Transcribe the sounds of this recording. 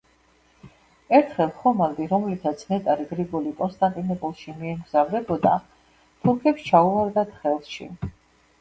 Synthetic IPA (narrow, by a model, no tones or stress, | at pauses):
ɛɾt̪ʰχɛlˠχɔmald̪iɾɔmlit̪ʰat̪sʰmɛt̪ʼaɾiɡɾiɡɔlikʼɔnst̪ʼant̪ʼinɔpʼulˠʃimiɛmɡzavɾɛbɔd̪a | t̪ʰuɾkʰɛpst͡ʃʰauaɾd̪at̪χɛlˠʃḭ